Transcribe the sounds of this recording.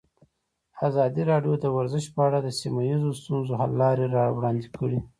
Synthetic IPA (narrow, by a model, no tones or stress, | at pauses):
azɑd̪iɾɑɖjod̪əwaɾzɪʃpəaɽad̪əsimajizost̪unzoɦalːɑɾeɾɑwɽɑnd̪ikʰəɽi